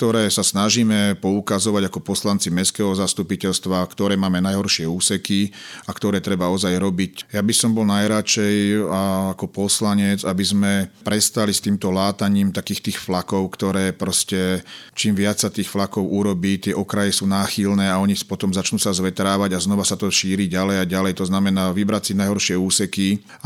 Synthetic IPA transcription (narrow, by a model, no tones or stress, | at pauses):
kk̚t̪ɔɾɛːsasnaʒiːmɛpɔukazɔʋaɟakɔpɔslant͡simɛskɛːɦɔzast̪upicɛʎst̪ʋakt̪ɔɾɛːmaːmɛnajɦɔɾʃɪɛuːsɛkiakt̪ɔɾɛːt̪ɾɛbaɔzajɾɔbicjabisɔmbɔlnajɾat͡ʃɛjaakɔpɔslaɲɛd͡zabizmɛpɾɛst̪alist̪iːmt̪ɔlaːt̪aɲiːmt̪akiːxt̪iːxflakɔʊkt̪ɔɾɛːpɾɔscɛt͡ʃiːmʋɪat͡ssat̪iːxflakɔʊuɾɔbiːt̪ɪɛʔɔkɾajɛsuːnaːxilnɛːaɔɲipɔt̪ɔmzat͡ʃnuːsazʋɛt̪ɾaːʋaɟaznɔʋasat̪ɔʃiːɾiɟalɛjajɟalɛjt̪ɔznamɛnaːʋibɾatsinajɦɔɾʃɪɛuːsɛki